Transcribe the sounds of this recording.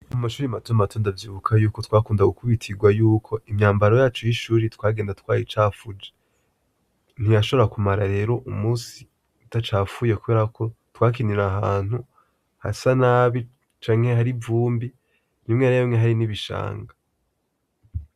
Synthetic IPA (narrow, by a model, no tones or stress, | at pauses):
mumaʃuːɾimatoamato̞ːndavjiːβukʰajuːko̞twaːkuːndaɡukuβitʰiɡwajuːkʰo̞imɲaːmbaɾo̞jaːt͡ʃojiʃuːɾitwaːɡeːndatkwaːjit͡ʃaːfud͡ʒe̥ | n̥ijaʃo̞βakumaɾaɾe̞ːɾo̞ʔumuːsi | utat͡ʃaːfuje̞kuβe̞ːɾako̞twaːk̬iniɾaɦaːn̥hu | ha̰sanaːβi | t͡ʃaːŋ̥he̞haɾivuːmbi | nimŋeɾejomŋeɦaɾiniβiʃa̰ːŋɡa